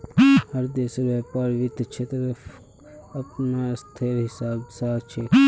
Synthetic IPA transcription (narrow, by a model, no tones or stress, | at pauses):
həɾd̪eːsʋaːpaːɾʋɪd̪t͡ʃʰet̪oe | ɐpnast̪ʰeɾɦɪsaːbsaːt͡ʃʰe